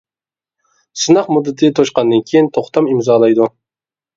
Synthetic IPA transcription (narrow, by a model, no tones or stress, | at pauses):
sɨnɑqmud̪ːɨt̪ʰɨt̪ʰoʃqɑnd̪ɨnkʲʰejint̪ʰoχt̪ʰɑmimzɑːlˠɑjd̪u